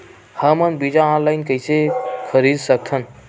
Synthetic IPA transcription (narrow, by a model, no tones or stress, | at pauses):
həmənbid͡ʑaãlajnkəjsekʰəɾiːd̪sək̚t̪ʰən